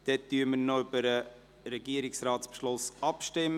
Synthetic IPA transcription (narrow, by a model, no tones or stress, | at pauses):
d̥ɛt̚d̥yəmənobəɾə | ɾɛɡiəɾɪksɾɑːtspʃlʊsɑpʃtɪmː